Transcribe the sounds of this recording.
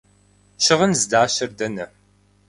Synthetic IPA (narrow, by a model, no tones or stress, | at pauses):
ɕɪʁənzɨdaːɕɐrdɐnɐ